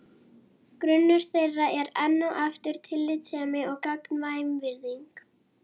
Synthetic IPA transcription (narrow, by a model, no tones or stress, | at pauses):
kɾʏnːʏɾ̥θejrːaʔɛɾɛnːuʔaft̪ʏɾ̥t̪ʰɪlːɪt̪ɛːmɪɔɣkaknvajmvɪɾðiŋk